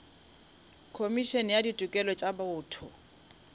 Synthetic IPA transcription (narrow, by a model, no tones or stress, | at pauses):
kʰomiʃɔnɛjaditʼukʼɛlɔt͡ʃʼabaʊːtʰʊ